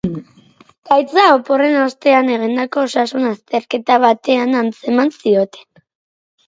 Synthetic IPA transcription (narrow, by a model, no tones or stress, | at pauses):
ɡ̥ajt͡saopo̞re̞nost̪e̞ane̞ɣ̞ind̪ako̞ːsasunast̪e̞ɾke̞t̪aβat̪e̞anant͡se̞mansio̞t̪e̞̥